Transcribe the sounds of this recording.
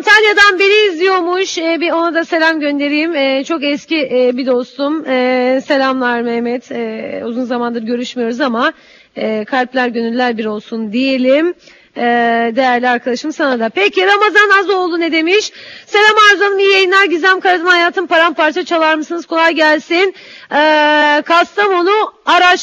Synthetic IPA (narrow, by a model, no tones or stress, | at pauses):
ant̪ʰalʲjad̪anbiɾiːzʲijo̞ɾmuʃɛbio̞nad̪ase̞lʲamɟø̞nd̪e̞ɾijimɛt͡ʃʰo̞kɛsciʔbid̪o̞st̪umɛse̞lʲamlˠaɾmɛmɛt̪ʰɛuzunzamand̪ɯɾɟø̞ɾyʃmijo̞ɾuzama | ɛːkʰalʲplʲæɾɟø̞nylʲːæɾbiɾo̞lˠsund̪ije̞lʲim | ɛd̪e̞jæɾlʲiaɾkʰad̪aʃɯmsanad̪apecʰiɾamazanazo̞lˠd̪uned̪e̞miʃse̞lʲamaɾzanɯmijajɯnˠaɾɟizʲæmkaɾat̪ɯnhajaːt̪ʰɯmpaɾampaɾt͡ʃʰat͡ʃʰalˠaɾmɯsɯnɯz̥kʰo̞lˠajɟælʲsin | ɛːkʰast̪ʰamo̞nuaɾat͡ʃ